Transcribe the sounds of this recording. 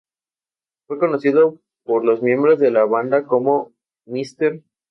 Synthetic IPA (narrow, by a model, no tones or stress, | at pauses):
fwe̞ko̞no̞siðo̞ | poɾlo̞zmjẽ̞mbɾo̞zðe̞laβand̪ako̞mo̞ | mist̪eɾ